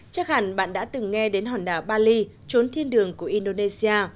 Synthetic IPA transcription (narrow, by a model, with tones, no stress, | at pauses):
t͡ɕaː˦˥k̚haː˧˩nɓa̰ː˧˨nɗa̰ː˧˥t̪ɨ˨˩ŋːɛ˧ɗe˨˦nɦwaː˨˩nɗaː˧˨˩wɓaː˧li˧ | t͡ɕo˨˦nt̪ʰi˧ənɗɨ˨˩əŋku˧˩əʔi˧nɗo˧ne˧si˧aː˧